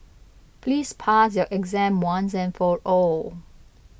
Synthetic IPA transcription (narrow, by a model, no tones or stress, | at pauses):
pʰlispʰasjɔʔɛɡzɛ̃mwãnsɛ̃nfɔɹɔ